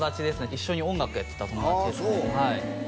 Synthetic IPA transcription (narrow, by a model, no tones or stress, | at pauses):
d̪at͡ɕid̪e̞sɨneiɕːo̞ɲ̟iõŋɡakɯ̟jat̪ːe̞t̪at̪o̞mo̞aid̪esehai